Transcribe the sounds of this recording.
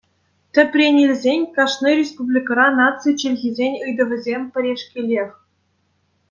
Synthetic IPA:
t̪ʲɘ̆pʲrʲenʲelʲzʲenʲkɑʂnɨɾʲespublʲikrɑnɑt͡sɨt͡ɕĕlʲɣʲizʲenʲɯjd̪ɤ̆ʋʲɘ̆zʲemʲpʲɘ̆ɾʲeʂkʲelʲeχʲ

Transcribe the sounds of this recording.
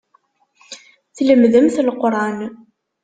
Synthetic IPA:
θləmðəmθəlqɾˤɑn

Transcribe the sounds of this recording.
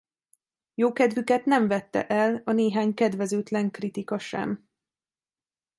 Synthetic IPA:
joːkɛd̪vykɛt̪nɛɱvɛt̪ːɛ̰ʔɛlɒneːɦaːɲkɛd̪vɛzøːt̪lɛŋkrit̪ikɒʃɛ̰m

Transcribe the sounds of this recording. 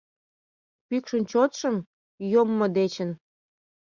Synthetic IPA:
pykʃənt͡ɕot̪ʃəm | jomːod̪et͡ɕən

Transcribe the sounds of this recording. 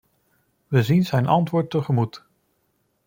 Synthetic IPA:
ʋəzinzɛjnʔɑ̰ntʋʊːɹtːəχəmut

